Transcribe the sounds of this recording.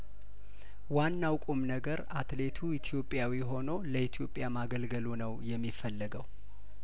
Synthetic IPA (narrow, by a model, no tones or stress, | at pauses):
wanːawkʼumnəɡəɾat̪le̞t̪ʰuit̪ʰjo̞pʼːjawiɦo̞noləhit̪ʰjo̞pʼːjamaɡəlɡəlunəwjɛmːifəlːəɡəw